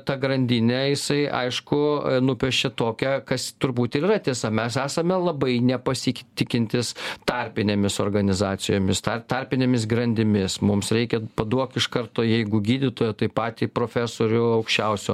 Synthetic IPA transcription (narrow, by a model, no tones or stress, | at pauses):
t̪ɐɡɾɐnʲd̪ʲinʲɛjɪsɐɪʔɐ̰ɪʃkʊnʊpʲɛʃʲt͡ʃʲɛt̪oːkʲɛkɐst̪ʊɾbuːt̪ɪiːrɐt̪ʲiɛsɐmʲɛsæːsɐmʲɛlˠɐbɐɪnʲɛpɐsʲɪkʲt̪ʲɪkʲɪnʲt̪ʲɪst̪ɐɾʲpʲɪnʲeːmʲɪsoːrɡɐnʲɪzɑːt͡s̪ʲɪjoːmʲɪst̪ɐt̪ɐɾʲpʲɪnʲeːmʲɪsɡɾɐnʲd̪ʲɪmʲɪsmʊmsɾʲɛɪkʲɛpɐd̪uɔkɪʃkɐrt̪oːjɛɪɡʊɡʲiːd̪ʲɪt̪oːjɛt̪ɐɪpɑːt̪ʲiːpɾoːfʲæːsoːɾʲʊɐʊkʃʲt͡ʃʲɛʊsʲʊ